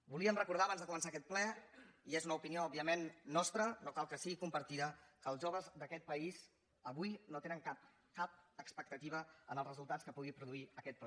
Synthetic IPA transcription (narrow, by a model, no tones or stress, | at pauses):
buliəmrəkuɾð̞aəβanzðəkumənsaəkɛt̪̚plɛiezunəupinioɔbiəmenːɔst̪ɾənokalˠkəsiɣikumpəɾt̪iðəkəlˠʒoβəzðəkɛt̪̚pəiz | əβujnot̪enəŋkap̚ | kap̚əkspək̚t̪ət̪iβ̞əənəlˠzrəzulˠt̪askəpuɣ̞ipɾuðuiəkɛt̪̚plɛ